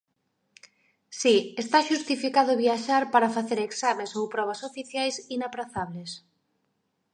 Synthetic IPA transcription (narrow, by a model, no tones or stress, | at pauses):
siest̪aʃust̪ifikaðʊβjiaʃaɾpaɾafaθeɾeksamesowpɾɔβ̞ɐsofiθjajsinapɾaθaβles